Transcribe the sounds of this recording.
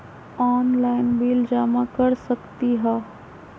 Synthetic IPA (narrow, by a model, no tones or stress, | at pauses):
aːnlaːɪnbiːld͡ʒaːmakəɾsəkt̪iɦaː